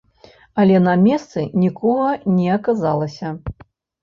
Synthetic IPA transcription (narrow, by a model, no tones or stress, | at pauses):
ɐlʲɛnɐmʲɛst̪sɨnʲikɔɣɐnʲɛɐkazalˠɐsʲɐ